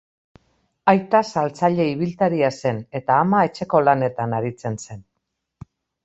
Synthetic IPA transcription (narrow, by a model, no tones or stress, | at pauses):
ajt̪asalt͡saʎe̞iβ̞ilt̪aɾiase̞ne̞t̪aːmae̞t͡ʃe̞ko̞lane̞t̪anaɾit͡se̞nse̞n